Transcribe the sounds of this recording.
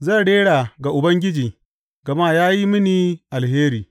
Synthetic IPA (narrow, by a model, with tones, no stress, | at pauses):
za˦˨ɽeː˦ɽaː˨ɡa˨ʔʊ˨bɐ˦ŋɡʲɪ˦d͡ʒiː˨ | ɡɐ˨ma˦˨jaː˦ji˦mɪ˦niː˨ʔa˨lheː˦ɾiː˨